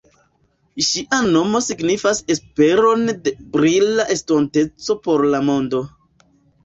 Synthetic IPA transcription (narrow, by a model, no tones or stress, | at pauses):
ʃiʔano̞mo̞siɡnifase̞spe̞ɾo̞nde̞bɾilaʔe̞stonte̞t͡so̞po̞ɾlamo̞ndo̞